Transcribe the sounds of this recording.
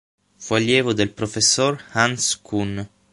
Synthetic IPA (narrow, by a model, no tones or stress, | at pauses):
faljɛːvod̪elpɾofesːorhanskun